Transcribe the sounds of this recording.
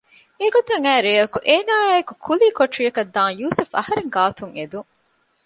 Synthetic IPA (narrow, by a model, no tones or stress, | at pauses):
eɡot̪ɐŋæːɾeːɐkuʔeːnaːɐkukʰuliːkoʈɾijɐkɐd̪ːãːŋjuːsufɐ̰hɐɾeŋɡaːt̪uŋed̪uŋ